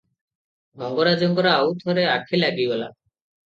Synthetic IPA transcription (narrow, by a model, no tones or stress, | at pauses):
mɔŋɡɔɾad͡ʒɔŋɡɔɾaawt̪ʰɔɾeakʰilaɡibɔla